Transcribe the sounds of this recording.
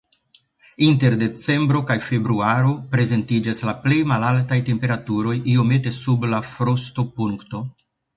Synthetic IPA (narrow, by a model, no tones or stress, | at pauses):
inte̞ɾde̞t͡se̞mbɾo̞kajfe̞bɾuaɾo̞pɾe̞ze̞ntid͡ʒaslaple̞jmalaltajte̞mpe̞ɾatuɾo̞jio̞me̞te̞sublafɾosto̞puŋkto̞